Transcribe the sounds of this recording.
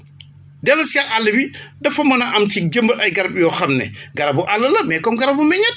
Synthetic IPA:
dɛlosiaʔalːɐbidɐfɐmɐnɐʔɐmtiɟəmbɐʔɐjɡɐɾɐbjɔːxɐmnɛ̰ɡɐɾɐbuʔalːɐlɐmɛkɔmɡɐɾɐbumɛɲɐt̚

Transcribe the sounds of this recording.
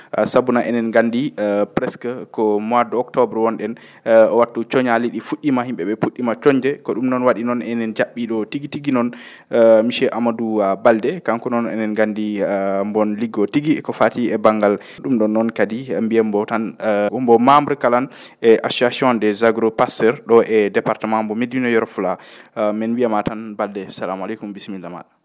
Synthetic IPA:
sabunaʔɛ̰nɛnɡandipɾɛskkɔmadɔɔktɔbɾwɔnɗɛn | ɔwatːut͡ʃɔɲaliɗifuɗːimahimɓɛɓɛfuɗːimat͡ʃɔɲd͡ʒɛkɔɗumnɔnwaɗinɔnɛnɛnd͡ʒaɓːiɗɔtiɡitiɡinɔn | miʃɛʔamaduabaldɛkaŋkunɔnɛ̰nɛnɡandimbɔnliɡɔtiɡikɔfatiɛbaŋɡal | ɗumɗɔnːɔnkadimbijɛmbɔtanɔmbɔmamuɾkalanʔɛʔasuasiɔndɛzaɡɾopastɛɾɗɔʔɛdɛpaɾtɛmambɔmedinɔjɔɾɔfulamɛnwiamatanbaldɛsalamalɛkumbismilːama̰ɗḁ

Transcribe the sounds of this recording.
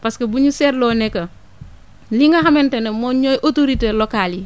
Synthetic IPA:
paskebuɲuseɾlonekɐ | liŋɡaɦamentenemoɲojʔotoɾitelokali

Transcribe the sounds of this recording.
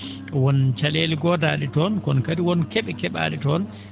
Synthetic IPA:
wɔnt͡ʃaleːlɡɔdaːɗɛtɔnkɔnkadiwɔnkɛɓɛkɛɓa̰ːɗɛtɔːn

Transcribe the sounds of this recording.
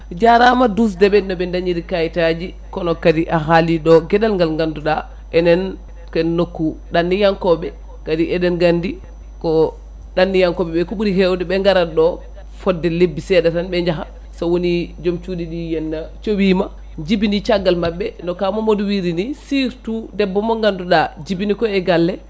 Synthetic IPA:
d͡ʒaɾamadus̬dɛɓɛnːɔɓɛndaɲiɾikajtad͡ʒi | kɔnɔkadiʔaɦaliɗɔɡɛɗalŋɡalŋɡanduɗa | ʔɛnɛn | kɛnːokːuɗanːijaŋkɔɓɛ | kadiʔɛdɛnɡandi | kɔ | ɗanːijaŋkɔɓɛɓɛkuɓuɾihɛwdɛɓɛŋɡaɾaɗɔ | fɔdːɛlebːisɛɗɛtanɓɛɲd͡ʒaxa̰ | sɔwonid͡ʒomt͡ʃuːdiɗijɛnːat͡ʃowiːma | d͡ʒibinit͡ʃaɡːalmabːɛndɔkamɔmoduwiɾinisiɾtudɛbːɔmɔŋɡanduɗad͡ʒibinikɔɛɡalːɛ

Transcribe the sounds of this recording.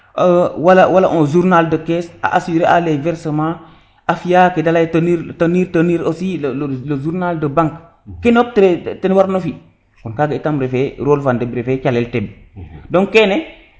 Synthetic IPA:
walawalaʔozuɾnaldəkesa̰ʔasiɾeʔalevɛɾsəma | afijakidalajtaniɾtaniɾtəniɾosilllozuɾnaldəbaŋk | kinok̚tɾetenwaɾnofi | kɔnkaɡitamɾefeɾolfandebɾefet͡ʃalelteb | doŋkene

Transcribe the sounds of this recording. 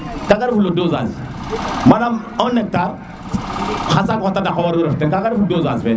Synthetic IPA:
kaɡaɾfulodoza̰zi | manam | õnek̚ta | xasaŋotadakawaɾuɾɐftenkaɡaɾfudozazbe

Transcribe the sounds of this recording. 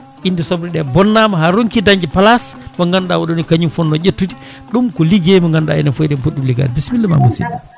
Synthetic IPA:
ʔindisɔbɾiɗɛbɔnːamaɦaɾoŋkidaɲd͡ʒɛpalasmɔŋɡandawɔɗonikaɲinfɔnːɔɟetːuti̥ | ɗumkɔliɡemɔŋɡanda̰ḭnafojɗɛmpuɗːumliɡa̰ːdibismilːɛma̰musḭda

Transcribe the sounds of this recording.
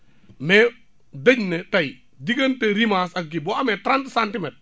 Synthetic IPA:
mɛ | dɐɲnɛtɐj | diɡɐnteɾimaːsɐk̚ɡibɔɐmɛtɾantsantɪmɛt̚

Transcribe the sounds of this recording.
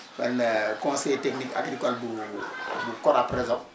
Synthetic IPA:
fɛnɛkɔ̃ːsɛjteknika̰ɡɾikɔlbu | bukɔɾapɾɛzã

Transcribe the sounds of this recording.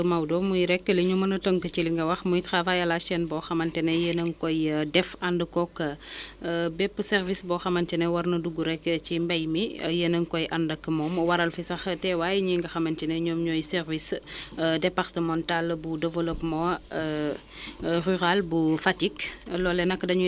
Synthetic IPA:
mawdɔmujɾɛkːəliɲumɐnɐtoŋkət͡ʃiliŋɡɐwɐxmujitxafajɐlaʃɛnbɔxɐmɐntɛnejənɐŋkɔjdɛfɐndəkɔkːɐ | bɛpːusɛrvisbɔxɐmɐntɛnewɐrnɐduɡuɾɛkːət͡ʃimbɐjmḭjənɐŋkɔjʔɐndɐkːəmɔːmwɐɾɐlfisɐxtɛwajiɲiŋɡɐxɐmɐntineɲɔːmɲɔjsɛɾvis | dɛpartəmɔ̃ntalbudɛvəlopmɔ | ryɾalbufatiklɔːlɛnɐkːdɐɲu

